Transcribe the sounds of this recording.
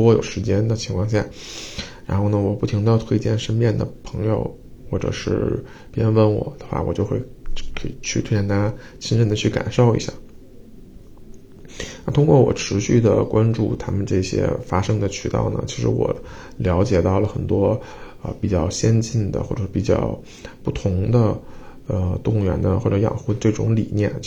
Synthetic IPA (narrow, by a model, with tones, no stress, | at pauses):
wɔ˥jo̰˨˩ʊʂɻ̩˧˥t͡ɕjɛ˥nd̪ə˨t͡ɕʰi˧˥ŋkʰwɑ˥˧ŋɕ̬ja̰˥˩ | ɻa˧˥nxo˥˩ʊnə˩wɔ˨˩pu˥˩t̪ʰi˧˥ŋt̪ɑ˥˧ʊt̪ʰwe˥ɪt͡ɕjɛ˥˧˩nʂə˥npjɛ˥˩nd̪ə˩pʰɤ̥˧˥ŋjo̰˧ʊ | xwɔ˥˩ʈ͡ʂɤ̰˨˩ʂɻ̩˥˩ | pjɛ˥nwə˥nwɔ̰˨˩˦d̪̥ə˩xwa̰˥˩wɔ˨˩t͡ɕjo˥˧ʊxwe˥˩ɪkʰɤ˧˥i˨˩t͡ɕʰy˥˩t̪ʰwe˥t͡ɕjɛ˥nt̪ʰa˥t͡ɕʰi˥nɻə˥˩nd̪ə˩t͡ɕʰy˥˩ka̰˨˩nʂo˥˩ʊḭ˧˥ɕja̰˥˩ | na˥˩t̪ʰʊ˥ŋkwɔ˥˩wɔ̰˨˩ʈ͡ʂʰɻ̩˧˥ɕy˥˩d̪ə̰˩kwa˥nʈ͡ʂṵ˥˩t̪ʰa˥mə˨nʈ͡ʂɤ˥˩ɕjɛ̰˥fa˥ʂɤ˥ŋd̪ə˨t͡ɕʰy̰˧˥t̪ɑ̰˥˩ʊnə̰˩t͡ɕʰi˧˥ʂɻ̩˧˥wɔ̰˨˩ | ljɑ˧˥ʊt͡ɕjɛ˨˩t̪ɑ˥˩ʊlə˩xə˨˩nt̪wɔ˥ | ə̰˧pi˨˩t͡ɕjɑ˥˩ʊɕjɛ˥nt͡ɕi˥˩nd̪ə̰˩xwɔ˥˩ʈ͡ʂɤ˨˩ʂɻ̩˥˩pi˨˩t͡ɕjɑ̰˥˩ʊ | pu˥˩t̪ʰʊ˧˥ŋd̪ə˧ə˧t̪ʊ˥˩ŋɥɛ˧˥nd̪ə˧xwɔ˥˩ʈ͡ʂɤ˧˥jɑ̰˨˩ŋxu˥ʈ͡ʂɤ˥˩ʈ͡ʂʊ˧˥ŋlḭ˨˩njɛ̰˥˩n